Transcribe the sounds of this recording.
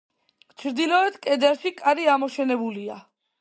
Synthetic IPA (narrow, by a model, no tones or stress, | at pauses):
t͡ʃʰɾd̪ilɔɛt̪kʼɛd̪ɛɾʃikʼaɾiamɔʃɛnɛbulia